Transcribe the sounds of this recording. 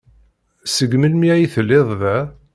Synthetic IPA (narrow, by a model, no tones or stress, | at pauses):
səɡməlmiæjiθəlːeðˤðæ